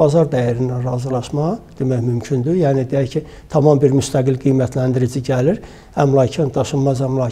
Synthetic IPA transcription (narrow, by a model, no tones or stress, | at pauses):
ɑzɑɾd̪æjæɾind̪ænɾɑːzɯlˠɑʃmɑd̪̥emæçmymcʰynd̪yjæːnid̪ejæcʰi | t̪ʰɑmɑmbiɾmyst̪ʰæɡilɡijmæt̪ʰlænd̪iɾid͡ʒiɟæliɾ | hæmlˠɑcʰind̪ɑʃɯmmɑzæmlˠɑ